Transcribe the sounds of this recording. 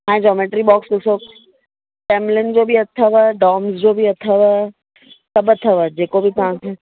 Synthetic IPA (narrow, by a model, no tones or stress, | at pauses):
ɦãːẽd͡ʑɔːmeːʈɾibɔːksd̪ʊsoːk | ʈeːmlɪnd͡ʑoːbʱiɐt̪ʰəʋəɖɔːmzd͡ʑoːbʱiɐt̪ʰəʋ | sɐbət̪ʰːɐʋəd͡ʑeːkobʱit̪ɐɦãkʰeː